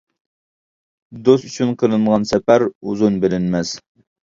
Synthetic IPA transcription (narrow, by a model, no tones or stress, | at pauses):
d̪ost̪yt͡ʃʰynqʰəɾɨɴʁɑnsɛpæɾuzunbelɪnmɛz̥